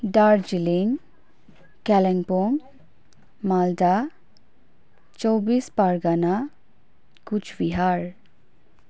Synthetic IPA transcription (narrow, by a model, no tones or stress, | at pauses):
ɖaɾd͡ʒiliŋ | kɛleŋpoŋ | mald̪a | t͡ʃɔwbispaɾɡana | kut͡ʃʰbiɦaɾ